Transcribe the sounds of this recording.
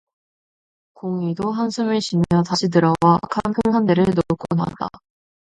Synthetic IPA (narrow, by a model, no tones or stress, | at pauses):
koŋidoɦansʰumɯɕʰinejʌtaɕʰid̬ɯɾʌwakʰampʰɯŋɦandeɾɯɭnok͈ʰona̰t͈a̰